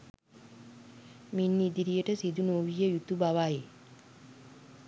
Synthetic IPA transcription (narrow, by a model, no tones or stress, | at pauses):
minːid̪iɾijəʈəsid̪unoːʋijəjut̪ubaʋaje